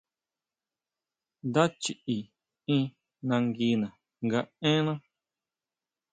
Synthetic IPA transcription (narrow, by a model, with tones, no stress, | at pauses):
nd̪a˦t͡ʃi˨i˨ | ĩ˧ | nã˧ŋɡi˧nã˨ | ŋɡa˧ẽ˦nã˦